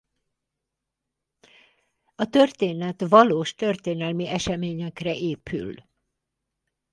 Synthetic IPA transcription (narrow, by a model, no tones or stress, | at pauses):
ɒt̪ørt̪eːnɛt̪ʋɒloːʃt̪ø̞rt̪eːnɛlmiʔɛʃɛmeːɲɛkrɛʔeːpʰy̰l